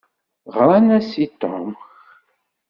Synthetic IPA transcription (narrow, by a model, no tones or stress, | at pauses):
ʁɾˤanæsit̪ːo̰mx